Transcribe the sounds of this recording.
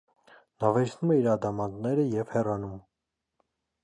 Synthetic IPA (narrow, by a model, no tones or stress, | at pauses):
nɑvɛɾsʰnumɛiɾɑd̪ɑmɑnd̪nɛɾəjɛvhɛrɑnum